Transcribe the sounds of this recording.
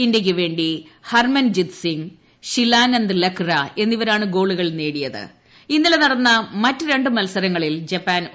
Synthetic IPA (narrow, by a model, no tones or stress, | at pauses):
indjɐk̬ʲːɨʋe̞ːɳɖihɐrmɐnd͡ʑit̪siŋ | ɕilaːnɐnd̪lekrɐe̞nːiʋɐɾaːɳɨɡo̞ːɭuɣɐɭne̞ːɽijɐðɨ̰ | inːilenɐɽɐnːɐmɐtːɨɾe̞ɳɖɨmɐlsɐɾɐŋːɐɭild͡ʑɐpːaːn